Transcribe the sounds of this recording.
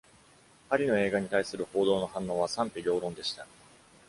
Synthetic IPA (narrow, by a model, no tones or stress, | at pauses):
haɾʲino̞e̞ːɡaɲ̟it̪aisɨɾɯ̟ho̞ːd̪o̞ːno̞hãnːo̞ːβ̞asãmpʲiɾʲo̞ːɾõ̞nd̪e̞ɕi̥t̪a